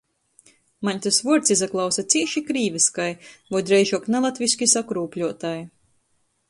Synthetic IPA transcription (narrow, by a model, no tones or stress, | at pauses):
maɲʲt̪asvuɔɾt̪sizaklˠawsat̪sʲiɛʃikɾiːvɛskajvɔjd̪ɾɛjʒuɔknalˠat̪vʲiskʲisakɾuːpʲlʲuɔt̪aj